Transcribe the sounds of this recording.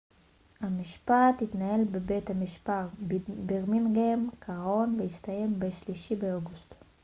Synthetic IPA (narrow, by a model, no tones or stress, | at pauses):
hamiʃpathitnahe̞lbebejthamiʃpaʁbiʁminɡemkʰaʁo̞nveistaje̞mbeʃliʃibeoɡust